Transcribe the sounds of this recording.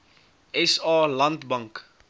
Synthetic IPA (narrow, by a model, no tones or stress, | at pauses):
ɛsɑːlɐntbɐŋk